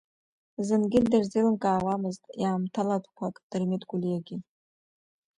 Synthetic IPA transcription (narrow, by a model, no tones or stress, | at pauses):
zɨnɡʲɪdɨrzilɨnkʼaːwamɨztʼjaːmtʰaladʰqʷʰakʼd̥ɨrmitʼɡʷulijaɡʲɪ